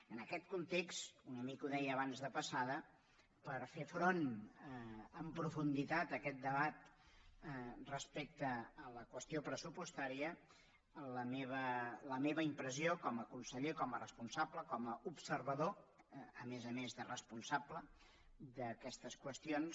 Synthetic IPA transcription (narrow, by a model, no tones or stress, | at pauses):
ənəkɛt̪̚kunt̪ekst̪unəmikuðɛjəːβanzðəpəsaðə | pəɾfefɾon | əmpɾufund̪it̪at̪əkɛt̪̚d̪əβat̪ | rəspek̚t̪əːləkwəst̪iopɾəsupust̪aɾiə | ləmeβələmeβəimpɾəziokɔməkunsəʎekɔmərəspunsabləkɔməupsəɾβəðo | əmezəmezðərəspunsablə | d̪əkɛst̪əskwəst̪ions